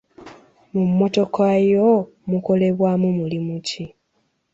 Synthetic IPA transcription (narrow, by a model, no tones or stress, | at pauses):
mumːo̞to̞kajo | muko̞le̞βwaːmumulimuci